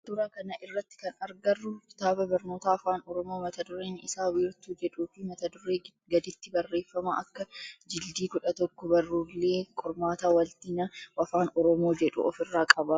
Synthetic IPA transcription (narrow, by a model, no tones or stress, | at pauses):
d̪ʊɾakɐnɐʔɪrːɐt̪ːɪ̥kɐnɐɾɡɐrːʊkɪ̥t̪aːbɐbɐɾno̞ːt̪aːɐfaːnɔɾɔmoːmɐt̪ɐd̪ʊɾeːnɪsaːwɪɪɾt̪uːd͡ʒɛᶑuːfɪmɐt̪ɐd̪ʊɾeː | ɡɐd̪ɪt̪ːɪbɐrːe̞ːfːɐmɐʔɐkːɐd͡ʒɪld̪iːkʊᶑɐt̪ɔkːɔbɐrːuːlːeːkʼʊɾmaːt̪aːwɐlt̪inɐwɐfaːnɔɾɔmoːd͡ʒɛᶑʊ̰ʔɔfɪrːaːkʼɐbɐ